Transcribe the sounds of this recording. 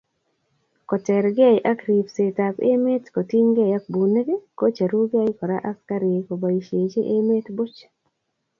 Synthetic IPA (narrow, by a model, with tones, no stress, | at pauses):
kɔ˨tɛ˨ɾɡɛ˦jʔa˦kɾi˨pse˨ta˨pḛ˦me˦tko˨ti˦ŋɡe˦ja˦k̚bu˨ne˦ɡe˦ko˦t͡ʃa˨ɾu˦ɡɛ˦jkɔ˨ɾa˦ʔa˦fka˦ɾɪe˨ko˨ba˨i˨ʃje˨t͡ʃe˦ʔe˦me˦tbʊ˦t͡ʃ